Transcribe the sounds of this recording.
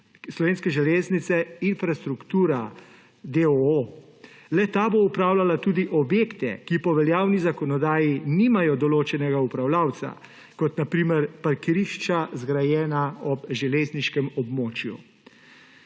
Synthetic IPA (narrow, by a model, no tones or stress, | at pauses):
slɔʋeːnskɛʒɛleːznit̪sɛinfɾast̪ɾukt̪uːɾa | d̪eoo | lɛt̪aboupɾaːwlalat̪uːd̪iʔɔbjeːkt̪ɛ̰kipɔʋɛljaːwnizakɔnɔd̪aːjiniːmajɔd̪ɔloːt͡ʃɛnɛɡaupɾawlaːwt̪sa̰ | kɔt̪napɾiːmɛɾpaɾkiɾiʃt͡ʃazɡɾajɛːnaɔbʒɛleːzniʃkɛmɔbmoːt͡ʃjṵ